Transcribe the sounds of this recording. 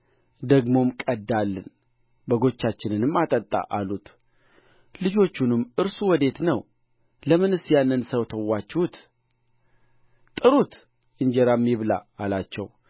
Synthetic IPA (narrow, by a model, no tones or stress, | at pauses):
d̪əɡmo̞mkʼəd̪ːalːɨ̰n | bəɡo̞t͡ʃːat͡ʃːɪnɨnɨmːat̪ʼət̪ʼːa̰ʔalut̪ | lɨd͡ʒo̞t͡ʃːunɨmːɨɾsuwɔd̪e̞t̪nəw | ləmɨnɨsjanːɨnsəwt̪ʰəwːat͡ʃːhut̪ | t̪ʼɨɾut̪ | ɨɲd͡ʒɛɾamːiβla̰alat͡ʃːɛ̰w